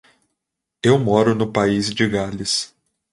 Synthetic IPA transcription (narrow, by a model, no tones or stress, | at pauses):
ewmɔɾʊnʊpaizd͡ʒɪɡalɪs